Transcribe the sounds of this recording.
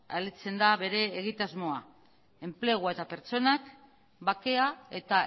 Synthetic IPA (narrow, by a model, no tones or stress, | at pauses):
a̰let͡se̞nd̪aβe̞ɾe̞ːɣ̞it̪azmo̞a | e̞mple̞ɣ̞wae̞t̪ape̞ɾt͡so̞nak | bake̞ae̞t̪a